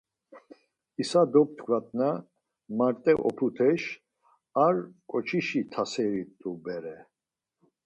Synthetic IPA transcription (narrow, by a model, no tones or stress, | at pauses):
isad̪ɔp̚t̪ʰɡvat̪ʼna | maɾt̪ʼɛʔɔ̰pʰut̪ʰɛʃ | aɾkʼɔt͡ʃʰiʃit̪ʰasɛɾit̪ʼubɛɾɛ